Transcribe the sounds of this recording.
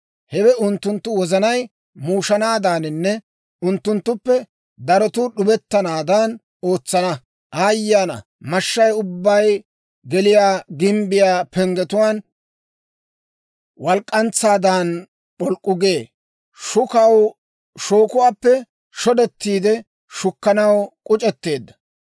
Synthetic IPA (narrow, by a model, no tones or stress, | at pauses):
hɛwɛʊnt̪ːʊnt̪ːʊwɔzɐnɐj | muːʃɐnaːd̪aːnɪnːɛ | ʊnt̪ːʊnt̪ːʊpːɛ | d̪ɐɾɔt̪ʊɗʊbɛt̪ːɐnaːd̪an | o̞ːt͡sːɐnɐ | ʔaːjːaːnɐ̰ | mɐʃːɐjʊbːɐj | ɡɛlɪjaːɡɪmbɪjaːpɛŋɡɛt̪ʊwaːn | wɐlkʼːɐnt͡sːaːd̪aːn | pɔlkʼːʊɡe̞ː | ʃʊkɐw | ʃo̞ːkʊwaːpːɛ | ʃɔd̪ɛt̪ːiːd̪ɛ | ʃʊkːɐnɐwkʼʊt͡ʃʼɛt̪ːe̞ːd̪ːɐ̥